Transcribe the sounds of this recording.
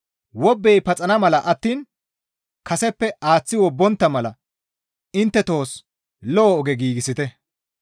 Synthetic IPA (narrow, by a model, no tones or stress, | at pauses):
wɔbːɛjpɐt͡sʼɐnɐmɐlɐʔɐt̪ːiːn | kɐsɛpːɛʔaːt͡sːɪwɔbːɔnt̪ːɐmɐlɐ | ɪnt̪ːɛt̪o̞ːs | lɔːɔɡɛɡiːɡɪsɪt̪ɛ